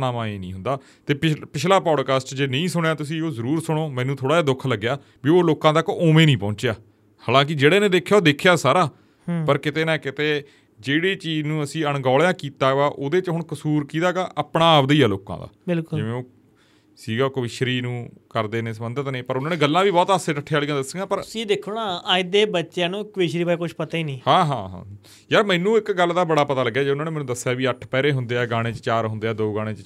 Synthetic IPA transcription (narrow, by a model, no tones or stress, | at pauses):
naːmãːeːnḭ̃ːɦʊ̃nd̪aː | t̪eːɪpɪʃlaːpɔːɖkaːsʈd͡ʒeːnəĩːsʊɽ̃jaːt̪ʊsĩːoːzəɾuːɾsʊɽ̃oːmɛ̃ːnũːt̪ʰoːɽaːaːd̪ʊkʰləɡːjaː | biːoːloːkãːt̪əkoːmẽːnĩːpɔ̃ːɲt͡ʃeaː | haːlãːk̬ɪd͡ʒeːɽaːnẽːd̪eːkʰːjaːoːd̪eːkʰːjaːsaːɾaː | pəɾkɪt̪eːnɛ̃ːkɪt̪eː | d͡ʒeːɽiːt͡ʃiːznũːəsĩːəɳ̃ɡɔːljãːkiːt̪aːʋaːʔoːd̪eːt͡ʃɦʊɳkəsuːɾkiːt̪aːkaːʔəpɽãːəbd̪iːaːloːkã̰ːd̪a̰ːbɪlkʊd͡ʒɪʋẽːoː | siːɡaːkəʋɪʃɾiːnũːkəɾd̪eːnẽːsəmənd̪ət̪neːpəɾʊnaːnẽːɡəlːãːʋiːbɔːt̪aseːʈəʈʰːeaːlijãːd̪əsːə̃ɡãːpəɾid̪ekʰunãːaːɪd̪eːbətːʃjãːnũːkʋɪʃɾiːbaːikʊt͡ʃʰpət̪aːiːnĩːhãːɦã̰ːɦã̰ː | jaːmɛ̃ːnũːɪkɡəlːd̪aːbəɽaːpət̪aːləɡːaːd͡ʒeʊnãːnẽːmɛːnũːd̪əsːjaːʋiːəʈʰpɛːɾeːɦʊnd̪eːɛːɡaːɽ̃eːt͡ʃət͡ʃaːɾɦʊnd̪eːɛːd̪oːɡaːɽ̃eːt͡ʃ